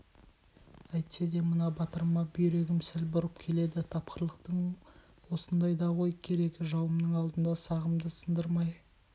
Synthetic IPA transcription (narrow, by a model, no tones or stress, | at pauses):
æjt̪se̞d̪e̞mənɑbɑt̪əɾmɑbʏjɾe̞ɡʲɪmsɪlbʊɾəpkʲʰe̞le̞d̪ɪt̪ʰɑp̚qəɾəlˠəqt̪əɴ | wo̞sənd̪ɑjd̪ɑʁo̞jkʲʰe̞ɾe̞kʲʒɑwəmnəɴɑlˠd̪ənd̪ɑsɑʁəmd̪əsənd̪əɾmɑj